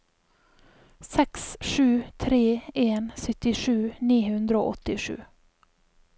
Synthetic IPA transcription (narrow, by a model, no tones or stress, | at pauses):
sɛksʂʉ̟ːt̪ʰɾeːʔeːnsʏt̪ːɪʂʉːniːhɵnd̪ɾəo̰ːʔɔt̪ːɪʂʉ̰ː